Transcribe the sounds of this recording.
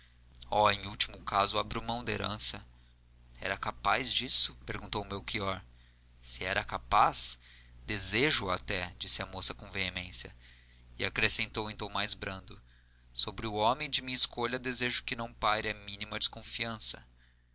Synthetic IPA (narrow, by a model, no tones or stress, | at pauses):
ɔẽj̃uwt͡ʃimʊkazʊabɾiumɐ̃w̃d̪ɐeɾɐ̰̃sɐ | ɛ̰ɾɐkapazd͡ʒisʊ̥peɾɡũnt̪owʊmewkiɔɾ | sɪɛɾɐkapas | d̪ezeʒʊat̪ɛd͡ʒisɪɐmosɐkõveemẽsjɐ | ɪakɾesẽnt̪owẽt̪ɐ̃w̃majzbɾɐ̃nd̪ʊ | sobɾɪʊɔmẽj̃d͡ʒɪmĩɲɐiskoʎɐd̪ezeʒʊkɪnɐ̃w̃paɾɪɐmĩnimɐd͡ʒɪskõfiɐ̃sɐ̰